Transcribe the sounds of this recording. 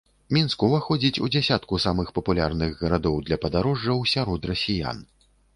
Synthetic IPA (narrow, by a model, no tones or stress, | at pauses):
mʲinskuvɐxɔd͡zʲit͡sʲud͡zʲɛsʲat̪kusamɨxpɐpulʲa̰rnɨɣɣɐɾad̪ɔwd̪lʲɐpɐd̪aɾɔʐːɐwsʲaɾɔt̪rɐsʲija̰n